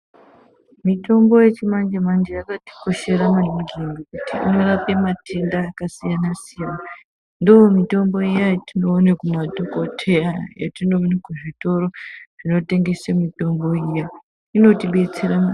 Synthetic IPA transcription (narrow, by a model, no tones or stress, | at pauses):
mito̞mbo̞je̞t͡ʃimand͡ʒemand͡ʒejakati̥ko̞ʃe̞ɾamanmuɡenɡokutiḭno̞rape̞matʰe̞ndaːkasijanasijana | ndoomito̞mbo̞ijajatino̞ːnekumadʱoko̞tʰe̞aja̰tino̞ːnekuʐito̞ɾo̞ʐ̥ino̞te̞ŋɡe̞semito̞mbo̞ija | ino̞tiɓe̞t͡seɾama